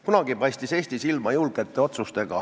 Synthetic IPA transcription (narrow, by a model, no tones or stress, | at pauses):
kunɑɡ̥ipɑjst̪ise̞ːst̪isilmɑjulɡ̥et̪ːˑe̞o̞t̪sust̪eɡ̥ɑ̰